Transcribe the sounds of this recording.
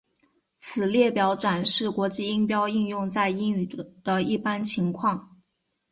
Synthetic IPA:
t͡sʰɹ̩˨˩ljɛ˥˩pjɑ˧˥ʊʈ͡ʂa˨˩nʂɻ̩˥˩kwɔ˧˥t͡ɕi˥˧i˥ŋpjɑ˥ʊi˥˧ŋjʊ˥˧ŋt͡sa˥˧ɪi˥ŋy˨˩˨d̪̥ə˦i˥˩pa˥nt͡ɕʰi˧˥ŋkʰwɑ˥˩ŋ

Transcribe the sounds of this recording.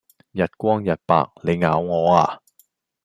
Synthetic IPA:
jɐ˨t̚kʷwɔː˥ŋjɐ˨t̚pa̰ː˧k̚le˨˧jŋaː˨˥wŋɔː˨˧aː˧

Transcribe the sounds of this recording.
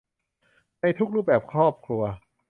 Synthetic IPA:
na˧jt̪ʰu˦˥k̚ɾuː˥˩p̚bɛː˨˩p̚kʰɾɔː˥˩p̚kʰɾu˧ɐ

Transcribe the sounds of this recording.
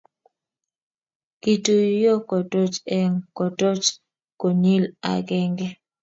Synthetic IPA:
ki˨tu˨jo˦kɔ˨to˦t͡ʃɛ˦˨ŋkɔ˨to˦t͡ʃ | ko˨ɲi˦la̰˨ɡɛ˦ŋɡɛ˦

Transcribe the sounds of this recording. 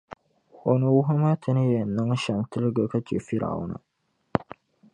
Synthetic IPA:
o˨no˨wu˦ɦɐ˦ma˦t̪ʰɐ˦ni˦je˨nːa˦ŋ˦ʃa˨mt̪ɨ˦ɾɡə˨kɐ˦t͡ʃḭ˨fi˦ɾʔa̰˨wṵ˦na̰˨

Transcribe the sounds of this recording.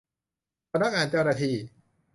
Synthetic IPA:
a˧na˦˥k̚ʔaː˨˧nt͡ɕa˧wnaː˧t̪ʰiː˧

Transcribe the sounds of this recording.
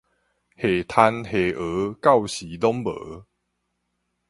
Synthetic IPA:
he˨˩t̪ʰa˧nhe˨˩ʔə˨˦ka˥˨wɕi˨˦d̪ɔ˦mbə̰ː˨˦

